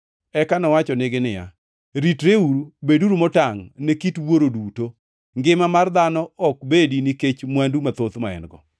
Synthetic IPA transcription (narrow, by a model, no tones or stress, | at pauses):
ɛkanɔwat͡ʃɔnɪɡɪnɪja̰ | ɾitɾeuɾubeduɾumɔtaŋnekitwoɾoduto | ŋɡɪmamard̪anɔɔk̚bediniket͡ʃmwandumat̪ot̪maɛ̰nɡɔ̰